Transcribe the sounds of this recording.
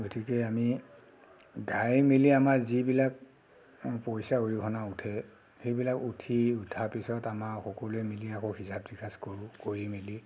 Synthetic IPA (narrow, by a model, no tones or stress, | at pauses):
ɡotʰikɛami | ɡʱajmiliamaɹzibilak | pɔjsaojikʰɔnautʰɛ | xejbilakutʰiutʰapisɔtamaɹxɔkɔlemiliakʰɔhisab̚dikʰaskoɹũkoɹimili